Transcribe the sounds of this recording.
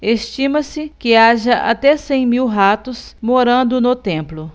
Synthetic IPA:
est͡ʃĩmɐsɪkɪaʒɐʔa̰t̪ɛsẽj̃miwɦat̪ʊsmoɾɐ̃nd̪ʊnʊt̪ẽmplʊ

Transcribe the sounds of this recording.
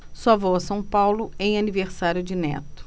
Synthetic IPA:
sɔɐvowɐsɐ̃w̃pawlʊẽj̃aniveɾsaɾjʊd͡ʒɪnɛ̰t̪ʊ̥

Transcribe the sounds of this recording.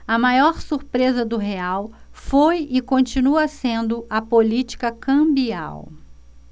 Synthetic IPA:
ɐmajɔɾsuɾpɾezɐd̪ʊɦeawfojɪkõnt͡ʃinuɐsẽnd̪ʊɐpolit͡ʃi̥kɐkɐ̃bia̰w

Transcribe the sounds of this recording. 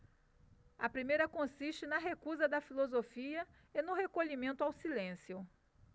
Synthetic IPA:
ɐpɾimejɾɐkõsiʃt͡ʃɪnɐɦekuzɐd̪ɐfilozofiɐ | enʊɦekoʎimẽnt̪ʊawsilẽsjʊ

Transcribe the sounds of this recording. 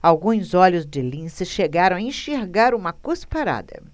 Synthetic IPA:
awɡũzɔʎʊzd͡ʒɪlĩsɪʃeɡaɾɐ̃w̃aẽʃeɾɡaɾũmɐkospaɾa̰d̪ɐ̰

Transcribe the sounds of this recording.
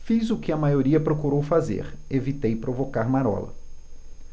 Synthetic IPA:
fizʊkɪɐmajoɾiɐpɾokuɾowfazḛɾevit̪ejpɾovokaɾmaɾɔ̰lɐ̰

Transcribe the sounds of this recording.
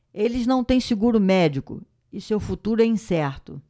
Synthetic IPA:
elɪznɐ̃w̃t̪ẽj̃sɪɡuɾʊmɛd͡ʒikʊ̰ | ɪsewfut̪uɾʊɛĩsɛɾt̪ʊ

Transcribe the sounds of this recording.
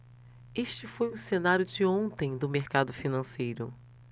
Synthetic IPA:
eʃt͡ʃɪfojʊ̃senaɾjʊd͡ʒɪõnt̪ẽj̃d̪ʊmeɾkad̪ʊfinɐ̃sejɾʊ̰

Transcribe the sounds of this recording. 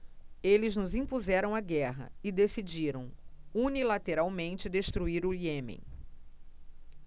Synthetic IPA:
elɪznʊzĩpuzɛɾɐ̃w̃aɡɛɦɐ̰ɪd̪esid͡ʒiɾɐ̃w̃unilat̪eɾawmẽnt͡ʃɪd̪eʃt̪ɾuiɾʊiẽmḛ̃j̃

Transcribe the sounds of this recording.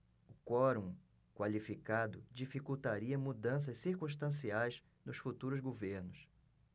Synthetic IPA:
ʊkɔɾũ | kwalifikad̪ʊd͡ʒifikuwt̪aɾiɐmud̪ɐ̃s̬ɐssiɾkũʃt̪ɐ̃siajz | nʊsfut̪uɾʊzɡoveɾnʊs

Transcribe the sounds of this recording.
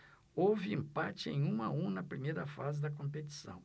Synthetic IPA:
owvɪẽmpat͡ʃɪḛ̃j̃ũmɐũnɐpɾimejɾɐfazɪd̪ɐkõpet͡ʃi̥sɐ̰̃w̃

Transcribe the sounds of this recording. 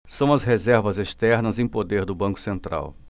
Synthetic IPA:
sɐ̃w̃ɐzɦezɛɾvɐzeʃt̪ɛɾnɐzẽj̃pod̪eɾd̪ʊbɐ̃ŋkʊ̥sẽnt̪ɾʔa̰w

